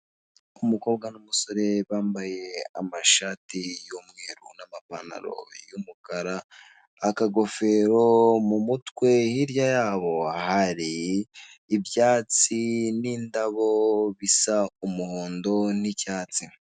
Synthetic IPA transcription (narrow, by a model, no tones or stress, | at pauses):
umuko̞ːbɡanumuso̞ɾe̞βaːmbaje̞a̰maʃaːtijomŋeːɾunamapana̰ɾo̞̰jumukaɾaː | kaɡo̞fe̞ɾo̞mumutkwe̞hiɾjajaːβohaɾiː | bjaːt͡siniːndaβo̞βisaumuhoːndo̞nicaːt͡si